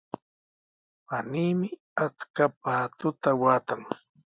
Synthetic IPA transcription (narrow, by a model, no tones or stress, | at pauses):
paniːmɪ | at͡skap̚aːt̪ʊt̪awaːt̪aŋ